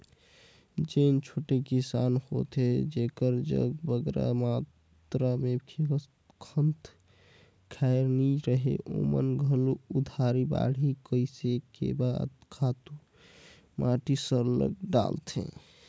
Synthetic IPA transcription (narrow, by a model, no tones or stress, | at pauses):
d͡ʒent͡ʃʰoʈekisanhot̪ed͡ʒekəɾd͡ʒə̰ɡbəɡɾa̰ma | tt̪ɾamekʰe | kʰənt̪ʰ | kʰajɾniɾəɦḛʔomənɡʱəluud̪ʱaɾiba̰ɽ̤ʱikəɪsekḛbad̪kʰat̪u | mʔaʈisəɾlə̰ɡ̚ɖa̰lt̪ʰḛ̃